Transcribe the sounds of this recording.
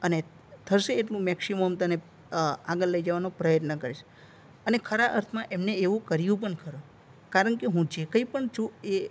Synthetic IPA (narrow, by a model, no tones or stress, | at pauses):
əne | t̪ʰəɾʃeːʈlũmɛksimomt̪əne | aɡəlːəjd͡ʒəʋanopɾəjət̪nəkəɾet͡ʃʰ | ənekʰəɾaʔəɾt̪ʰmãʔemneeʋũkəɾijũp̬əɳkʰəɾũ | kaɾəɳkeɦũd͡ʒekəipəɳd͡ʒʰue